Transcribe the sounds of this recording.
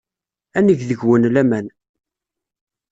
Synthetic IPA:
ænəʝðəʝwənlæmæn

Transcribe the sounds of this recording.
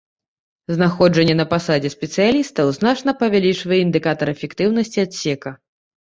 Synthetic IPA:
znaxɔd͡ʐɐnʲːɛnɐpasad͡zʲɛsʲpʲɛt̪sɨjalʲist̪ɐwznat͡ʂnɐpɐvʲalʲit͡ʂvɐjɛind̪ɨkat̪ɐɾɛfʲɛkt̪ɨwnɐsʲt͡sʲiat̪sʲɛkɐ

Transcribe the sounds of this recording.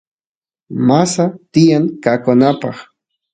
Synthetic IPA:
masat̪ɪjaŋkakʊnapɑχ

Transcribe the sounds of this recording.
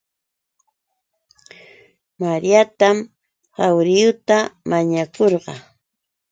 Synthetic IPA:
maɾijat̪am | hawɾɪjʊt̪amaɲakoɾɢɑ

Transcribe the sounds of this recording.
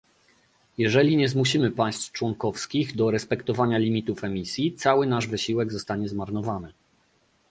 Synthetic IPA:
jɛʐɛlʲiɲɛzmuɕimɘpaj̃st̪ft͡ʂwɔŋkɔfskʲiɣd̪ɔɾɛspɛkt̪ɔvaɲalʲimʲit̪ufɛmʲisʲjit̪sawɘnaʐvɘɕiwɛɡzɔst̪aɲɛzmaɾnɔvanɘ

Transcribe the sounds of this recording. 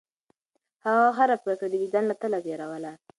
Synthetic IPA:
haɣaɦaɾapɾasad̪əbid̪anlat̪əlaɡeɾawəla

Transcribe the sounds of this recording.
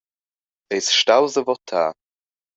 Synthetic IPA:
ejsʃtawzəvɔt̪ʰaː

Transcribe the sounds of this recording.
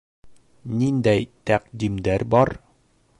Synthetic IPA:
nind̪æjt̪æqd̪imd̪æɾbɒɾ

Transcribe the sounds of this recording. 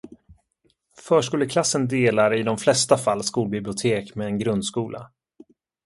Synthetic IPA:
fœːʂkɵːlːəkʰlasːənd̪eːlaɾəɪd̪ɔmflɛst̪afalːskuːlbɪblɪʊt̪ʰeːkmɛɛnɡɾɵnd̪skuːlʔa̰

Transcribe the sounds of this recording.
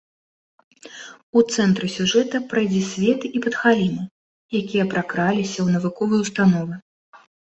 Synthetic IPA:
ut̪sɛnt̪ɾɨsʲuʐɛt̪ɐpɾajd͡zʲisʲvʲɛt̪ɨipɐt̪xalʲinɨ | jakʲijɐpɾakɾalʲisʲɐwnɐvɨkɔvɨjwst̪anɔvɨ

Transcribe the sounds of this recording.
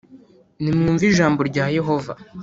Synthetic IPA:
nimŋuːɱviʒaːmbo̞ɾɟaːje̞ɦo̞va̰

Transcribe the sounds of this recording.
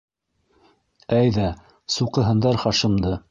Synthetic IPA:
æjðæ | suqɤ̆ɦɤ̆nd̪ɑɾχɑʃɤ̆md̪ɤ

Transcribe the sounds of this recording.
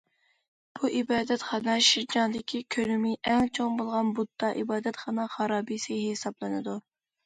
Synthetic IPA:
b̥uʔibɑːd̪ɛt̪χɑnɑʃiɾd͡ʒɑnd̪ɪkʲʰikʲʰølymɪʔɛŋt͡ʃʰoŋbolˠʁɑnbud̪ːɑʔibɑːd̪ɛt̪χɑnɑχɑɾɑːbijsɨhesɑblˠɨnɨd̪u

